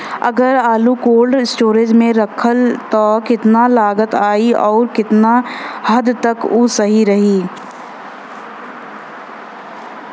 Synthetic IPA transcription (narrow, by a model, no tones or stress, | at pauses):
ɐ̰ɡəɾaːlukoːlɖɪsʈoːɾɪd͡ʒmẽɾɐkʰəlt̪ɔkɪt̪nalaːɡət̪aːiɔːɾkɪt̪nahɐd̪t̪ɐkuːsɐɦiɾɐɦiː